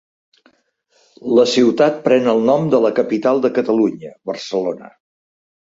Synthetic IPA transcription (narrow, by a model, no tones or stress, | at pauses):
ləsiwt̪at̪̚pɾɛnəlˠnɔmd̪ələkəpit̪alˠd̪əkət̪əluɲəβərsəlonə̰